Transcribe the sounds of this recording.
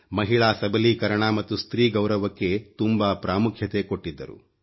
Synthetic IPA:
mɐɦiɭaːsɐbɐliːkɐɾɐɳaːmɐt̪ːust̪ɾiːɡɐwɾɐʋɐkːe̞t̪umbaːpɾaːmukʰjɐt̪e̞ko̞ʈːid̪ːɐ̰ɾṵ

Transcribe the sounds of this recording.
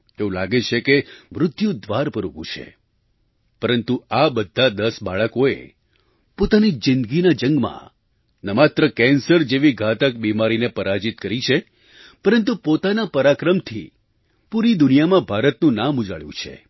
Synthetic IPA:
eũla̰ɡet͡ʃʰekemɾʊd̪ʱjũd̪ʋaɾpəɾupṵ̃t͡ʃʰḛ | pəɾənt̪uabəd̪ʱːad̪əsbaɭəkoḛ | pot̪anid͡ʒɪ̃nd̪ɡinad͡ʒəŋɡmã̰ | nəmat̪ɾəkɛnsəɾd͡ʒeʋiɡʱat̪ək̚bimaɾinepəɾad͡ʒit̪kəɾit͡ʃʰe | pəɾənt̪upot̪anapəɾakɾəmt̪ʰḭ | puɾid̪ʊnijamãbʱaɾət̪nũnamud͡ʒaɭjṵ̃t͡ʃʰḛ

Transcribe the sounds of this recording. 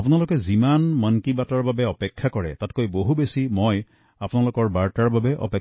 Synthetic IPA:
apunalokɛzimanməŋkibatɔɹbabeɔpekʰːjakɔɹɛtatkojboɦubesimoj | apunalokɔɹbaɹtaɹbabɛʔɔ̰pe

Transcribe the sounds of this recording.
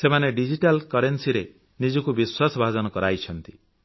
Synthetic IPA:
semaneɖid͡ʒiʈalkɔɾensiɾe | nid͡ʒɔkubiswasɔbʱad͡ʒɔnɔkɔɾajt͡ʃʰɔnt̪i

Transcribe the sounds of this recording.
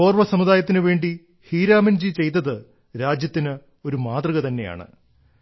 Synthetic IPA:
o̞ːrʋɐsɐmud̪aːjɐt̪ːinɨʋe̞ːɳɖi | hiːɾaːmɐnd͡ʑit͡ɕe̞jt̪̬ːɐðɨ | ɾaːd͡ʑjɐt̪ːinɨ | o̞ɾumaːt̪rɐɣɐt̪ɐnːe̞ja̰ːɳɨ̰

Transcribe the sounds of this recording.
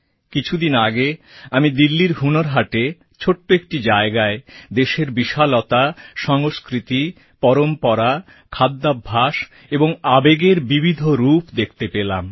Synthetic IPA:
kit͡ɕʰud̪inaɡeamid̪ilːiɾɦunoɾɦaʈe | t͡ɕʰoʈːoek̚ʈid͡ʑaeɡaed̪eʃeɾbiʃalɔt̪aʃɔŋoskɾit̪i | pɔɾompɔɾa | kʰad̪ːabʱːaʃ | eboŋabeɡeɾbibʱid̪ʱoɾupd̪ek̚ʰt̪epela̰m

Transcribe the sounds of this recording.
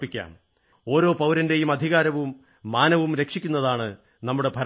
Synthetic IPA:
pːikʲːa̰ːm | o̞ːɾo̞ːpɐwɾɐnde̞jumɐd̪ʱiɣaːɾɐʋumː | aːnɐʋumɾe̞kʂikʲːunːɐðaːɳɨ | nɐmːuɽe̞bʱɐɾ

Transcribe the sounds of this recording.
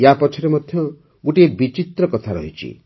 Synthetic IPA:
japɔt͡ʃʰɔɾemɔd̪ʱjɔ | ɡuʈiebit͡ʃit̪ɾɔkɔt̪ʰaɾɔ̰ɦit͡ʃʰḭ

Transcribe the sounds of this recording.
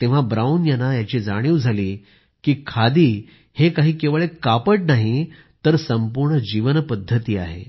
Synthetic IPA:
t̪ẽʋ̤abɾaunjanajat͡ɕiːd͡zaɽ̃iʋd͡zʱaliː | kiːkʰad̪iː | hekaɦiːkeʋɭekapəʈnaɦi | t̪əɾsəmpuɾɳəd͡ʑiʋənpəd̪ʱːət̪iːaɦḛ

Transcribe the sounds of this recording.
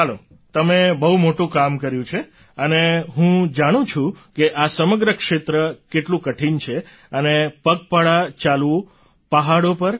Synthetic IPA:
ɦəlo̰ | t̪əmebəɦumoʈũkamkəɾjũt͡ʃʰe | əneɦũd͡ʒaɽ̃ũt͡ʃʰũkeʔasəməɡɾəkʂet̪ɾəkeʈlũkəʈʰint͡ʃʰe | ənepəɡ̚paɭat͡ʃalʋũ | paɦaɽopəɾ

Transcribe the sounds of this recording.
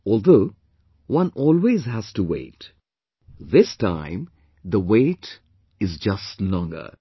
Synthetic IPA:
ɔːlˠd̪oː | wʌ̃nɔːlwezɦæz̥tuwḛɪt | ðɪstã̰ɪ̃m | ðəwet | ɪzd͡ʒʌstlɔ̃ŋɡə̰˞

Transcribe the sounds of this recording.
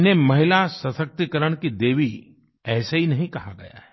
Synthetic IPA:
nemɐɦɪlasɐsək̚t̪ikəɾəɽ̃kid̪eːʋi | ɛːsaɦinɐɦĩkɐɦaɡɐ̰ja̰ɦɛː

